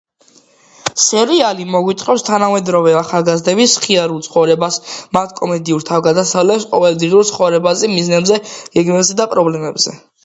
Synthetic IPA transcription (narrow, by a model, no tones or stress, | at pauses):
sɛɾialimɔɡwit̪sʼqʼɔpst̪ʰanamɛd̪ɾɔvɛaχalˠɡazd̪ɛβisχiaɾulˠt̪sʰχɔvɾɛbasmat̪ʰkʼɔmɛd̪iuɾt̪ʰavɡad̪asavlɛpsqʼɔ̰vɛlˠd̪ʁiuɾtsʰχɔvɾɛbazɛmiznɛbzɛɡɛɡmɛbzɛd̪apʼɾɔblɛmɛbz̥ɛ